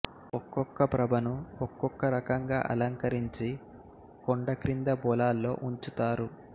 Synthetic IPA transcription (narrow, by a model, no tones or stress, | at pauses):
ɔkːɔkːɐpɾɐbʱɐnuɔkːɔkːɐɾɐkɐŋɡa̰ːʔɐ̰lɐŋkɐɾiɲt͡ʃi | koɳɖɐkɾind̪ɐbɔːlaːlːo̞ːʔuɲt͡ʃut̪aːɾu